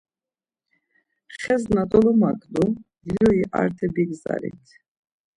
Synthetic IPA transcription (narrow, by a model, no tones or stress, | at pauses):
χɛznat̪ʼɔlɔmakʼlud̪ilɔiʔaɾt̪ʰɛbiɡza̰ɾḭt̪ʰ